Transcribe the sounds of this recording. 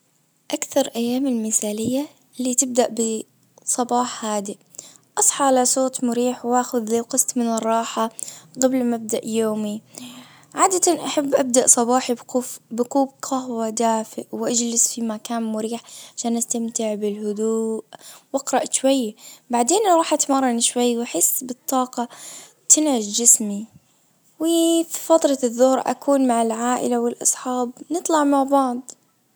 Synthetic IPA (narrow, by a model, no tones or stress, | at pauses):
ʔakθɑɾˤʔajːaːmɪlmɪθaːlɪjːa | lːit̪ɪb̚d̪aʔbɪ | sˤɑbɑːħhaːd̪i | ʔɑsˤħɑʕalasoːt̪mʊɾiːħwʔaːxʊðliqɨsˤt̪mɪnɪrˤːɑːħaɣablmab̚d̪aʔjoːmi | ʕaːd̪at̪anʔaħabːʔab̚d̪aʔsˤɑbɑːħibqʊbɪquːbqʰɑɦwad̪aːfɪʔwʔad͡ʒlɪsfimakaːnmʊɾiːħʕaʃaːnʔast̪amt̪ɪʕbɪlhʊd̪uːʔwʔɑqɾˤɑʔʃwajːbaʕd̪eːnɾˤɑːħʔat̪mɑɾˤːɑniʃwajːwaħɪsːbɨt̪ˤːɑːqɑ | t̪ɪnʕɪd̪d͡ʒɪsmi | wɪfifɑt̪ˤɾˤɑðːʊhɾʔa̰kʰuːnmaʕɪlʕaːʔɪ̰lawɪlʔɑ̰sˤħɑːbnɨt̪ˤlɑʕmaʕbɑʕd̪ˤ